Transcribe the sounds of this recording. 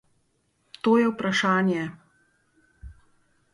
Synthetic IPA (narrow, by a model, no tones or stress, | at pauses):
t̪oːjɛwpɾaʃaːnjɛ